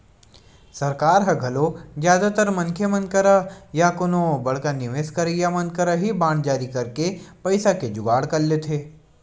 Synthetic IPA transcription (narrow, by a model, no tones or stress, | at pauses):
sɐɾkaːɾɦɐɡʱɐlozjaːd̪at̪əɾmɐ̃nkʰjemɐ̃nkəɾajakʊnõbɐɽkanɪʋeːskɐɾejamɐ̃nkəɾaɦibaːɳd͡ʒaːɾikɐɾkepɐɪsaked͡ʒʊɡaːɽkɐlːet̪ʰeː